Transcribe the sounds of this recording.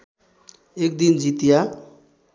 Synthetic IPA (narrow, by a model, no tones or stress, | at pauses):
ek̚d̪ind͡ʒit̪ja